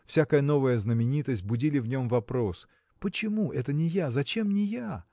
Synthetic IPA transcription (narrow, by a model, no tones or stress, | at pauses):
fsʲakəjəno̞vəjəznəmʲɪnʲit̪əsʲt̚ʲbʊdʲilʲɪvnʲo̞mvɐpɾo̞s | pət͡ɕɪmuʔɛt̪ənʲɪjazɐt͡ɕe̞mnʲɪja